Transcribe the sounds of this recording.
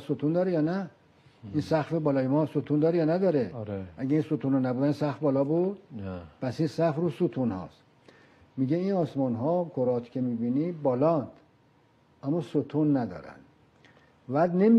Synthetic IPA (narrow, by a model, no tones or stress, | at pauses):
sot̪ʰund̪ɒːɾejɒːnæ | insæxfebɒːlɒːjemɒːsot̪ʰund̪ɒːɾejɒːnæd̪ɒːɾeɾeʔæɡeiːnsot̪ʰuːnɑnæbud̪ænsæxfbɒːlɒːbud̪pʰæsinsæfɾuːsut̪ʰunhɒ̰s | miɟeinɒːsmɒnɦɒkʰoɾɒːt̪ʰcʰe̞miːbiːnibɒːlɒnd̪̥ | æmːɔsot̪ʰunːæd̪ɒ̰ːɾæ̰nd̪̥ | væːd̪nem